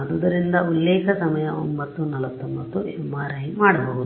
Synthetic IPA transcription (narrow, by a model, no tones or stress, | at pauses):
ɐd̪ud̪ɐɾind̪ɐulːɛːkʰɐsɐmɐjɐombɐt̪ːunɐlʋɐt̪ːombɐt̪ːuɛmːaːɾɐɦimaːɽɐbɐɦud̪